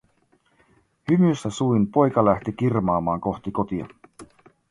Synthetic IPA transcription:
hymysːæsuinpo̞jkɑlæht̪ik̟irmɑːmɑːŋko̞xt̪iko̞t̪iɑ̰

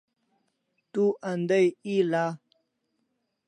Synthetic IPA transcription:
t̪uʔand̪ajila

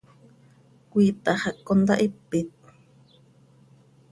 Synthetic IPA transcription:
kʷiːt̪aχakːond̪a̰ʔɪpːɪt̪̚

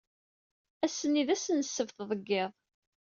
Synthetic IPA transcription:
æsːənːiðæsənsːəvθðˤəɡːeðˤ

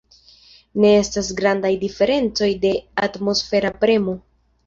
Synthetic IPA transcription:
ne̞e̞stasɡɾandajdife̞ɾe̞nt͡so̞jde̞atmo̞sfe̞ɾapɾe̞mo̞

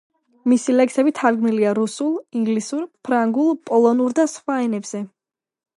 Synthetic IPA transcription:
misilɛksɛbit̪ʰaɾɡmniliaɾusulˠiŋɡlisuɾpʰɾaŋɡulˠpʼɔlˠɔnuɾd̪asχwaɛnɛbz̥ɛ

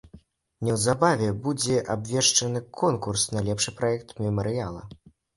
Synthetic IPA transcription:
nʲɛwzabavʲɛbud͡zʲɛʔabvʲɛʂt͡ʂɐnɨkʰɔnkursnɐlʲɛpʂɨpɾaɛk̚t̪mʲɛmɐɾɨjalˠɐ̰

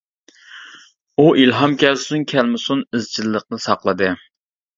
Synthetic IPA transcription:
uʔilɦɑmkʲɛlsunkʲʰɛlmɪsunɪzt͡ʃʰilːəq̚nɨsɑqlˠɨd̪ɨ

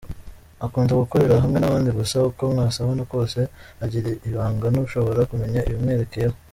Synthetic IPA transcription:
akuːnzaɡukoɾe̞ɾaɦamŋe̞naβaːndiβusaukomŋaːsaβonoko̞ːse̞aɟiɾeʔiβaːŋɡanuuʃo̞βo̞ɾakume̞ɲaḭjomŋeːɾekejeho

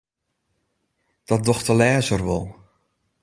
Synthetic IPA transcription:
d̥ɔt̚dɔxtəlɛːzərʋɔlˠ

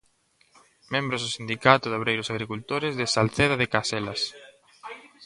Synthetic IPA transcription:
mẽmbɾozðʊsind̪ikat̪ʊðoβɾejɾʊsaɣɾikult̪oɾɪzðesalθeðaðɪkaselas

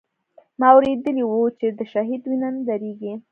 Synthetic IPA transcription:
mɑːwɾed̪əliwut͡ʃed̪əʃaɦid̪winand̪aɾeɡi

